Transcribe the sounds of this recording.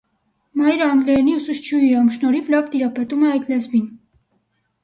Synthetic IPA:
mɑjɾəɑŋɡlɛɾniusuʃt͡ʃʰuɑmʃnɔɾivlɑvt̪iɾɑpɛt̪umɛɑjt̪lɛzmin

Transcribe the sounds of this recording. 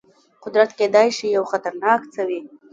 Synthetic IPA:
qʊd̪ɾat̪ked̪ɑjʃijawxat̪aɾnɑkt͡səwi

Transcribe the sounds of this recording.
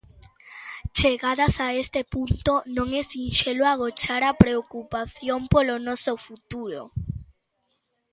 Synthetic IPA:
t͡ʃeɣaðasaest̪epunt̪onõŋɛsinʃeloaɣot͡ʃaɾapɾeokupaθjompolonɔsofut̪uɾo̰

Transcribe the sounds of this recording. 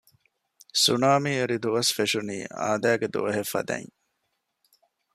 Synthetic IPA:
sunaːmiːeɾid̪uʋɐsfeʃunḭːa̰ːd̪æːɡed̪ṵʋɐɦefːɐ̰d̪æ̰ŋ

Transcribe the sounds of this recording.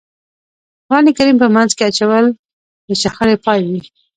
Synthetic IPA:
afɣɑnikaɾimpəmanzkeat͡ʃawəl | d̪ət͡ʃaxaɾepɑjwi

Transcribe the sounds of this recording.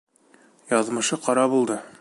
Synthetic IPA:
jɒðmɤ̆ʃɤqɒɾɑbulˠd̪ɤ

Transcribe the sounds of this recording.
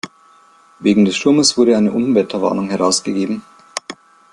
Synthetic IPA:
veːɡŋ̩dɛsʃtʊɐməsv̥ʊɐɾəaɪnəʔʊn̩vɛtʰɐva̰ːnʊŋɦɛʁaʊsɡ̥əɡeːbm̩

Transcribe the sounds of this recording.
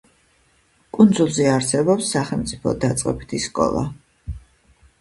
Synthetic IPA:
kʼund̪zulˠziaɾsɛbɔpsːaχɛlˠmt̪sʼipʰɔ̰d̪at̪sʼqʼɛ̰bit̪ʰiskʼɔ̰lˠa̰

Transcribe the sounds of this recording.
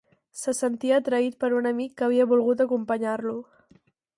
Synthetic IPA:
səsənt̪iəːt̪ɾəit̪̚pəɾunəmikːəβ̞iəβulˠɣut̪̬əkumpəɲarlu

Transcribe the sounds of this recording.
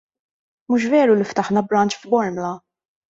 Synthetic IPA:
muʃ̬vɛːɾulift̪ɐħnɐbɾɐnt͡ʃfbɔɾmlɐ

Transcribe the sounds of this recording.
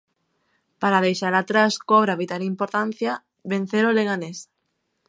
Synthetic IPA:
paɾaðejʃaɾat̪ɾaskɔβɾaβit̪aɾimpoɾt̪anθja | βẽn̟θeɾoleɣanes

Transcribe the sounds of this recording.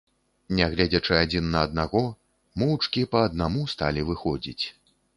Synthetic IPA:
nʲɛɣlʲɛd͡zʲɐt͡ʂɨad͡zʲinːɐːd̪̚naɣɔ | mɔwt͡ʂkʲipɐːd̪namust̪alʲivɨxɔd͡zʲḭt͡sʲ

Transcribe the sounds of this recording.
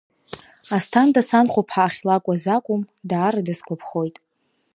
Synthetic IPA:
astʰandasanχʷopʰħaːχʲlakʷʼazakʷʼʊmdaːɾadaskʷapʰχo̞jtʼ

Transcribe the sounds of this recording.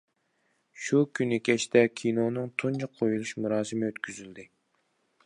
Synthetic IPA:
ʃukʲʰynɪkʲɛt͡ʃt̪ʰɛkʲʰinonɨŋt̪ʰunt͡ʃɑqʰojulˠuʃmuɾɑːsɨmɪøt̪kʲyzyld̪ɪ

